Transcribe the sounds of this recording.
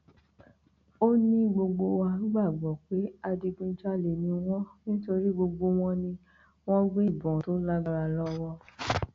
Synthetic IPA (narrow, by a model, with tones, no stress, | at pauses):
o˦nĩ˦ɡ͡bo˧ɡ͡bo˧wa˧u˦ɡ͡ba˦˨ɡ͡bɔ˨k͡pe˨˦a˧di˧ɡĩ˧˦d͡ʒa˦le˨nĩ˧w̃ɔ̃˦nĩ˦to˧ɾi˦ɡ͡bo˧ɡ͡bo˧w̃ɔ̃˦nĩ˧ | w̃ɔ̃˦ɡ͡bẽ˦i˦˨bɔ̃˨to˨˦la˦ɡ͡ba˧ɾa˧lɔ˦wɔ˧